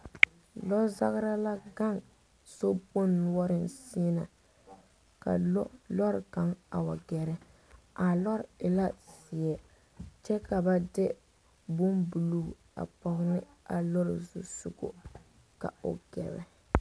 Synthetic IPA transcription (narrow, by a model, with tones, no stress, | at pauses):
lɔ˦za̰˦ɣɾa˦la˦ɡa˦ŋ | so˦po˦nː˦ɔ˦ɾɪ˨nsi˦na˨ | ka̰˨˦lɔ˦ɾɪ˨ka˦ŋa̰˨wa˨ɡɛ˨ɾɛ˦ | a˨lɔ˦ɾɪ˨la˦sɪ˨ɛ˨ | t͡ʃɛ˦ka˨ba˦dɪ˦ | bʊ˦mbu˨luː˦˨ | a̰˨pɔ˨ɣnɪ˦ | a˨lo˦ɾɪ̰˨zʊ̰˨sṵ˨ɡo̰˨ | ka̰˨o̰˨ɡ̥ɛ̰˨bɛ̰˦